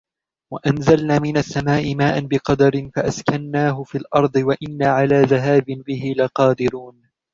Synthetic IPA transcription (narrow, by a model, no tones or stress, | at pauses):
waʔanzalnaːmɪnasːamaːʔɪmaːʔanbɪqɑd̪ɑɾɪnfaʔaskanːaːɦʊfiːlʔɑɾˤd̪ˤɨwaʔɪnːaːʕalaːðaɦaːbɪnbɪɦɪlɪqɑːd̪ɪɾuːn